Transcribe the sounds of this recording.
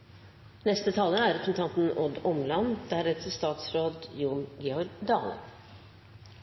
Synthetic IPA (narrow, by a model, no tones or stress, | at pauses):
nɛst̪ət̪ʰɑːləæɾɛpʰɾsn̩t̪ɑnt̪n̩ɔd̪ɔmlɑnd̪̥æɾɛt̪ʰəst̪ɑːt̪sɾoːd̪juːɳɡɛɔd̪ɑ̰ːlə̰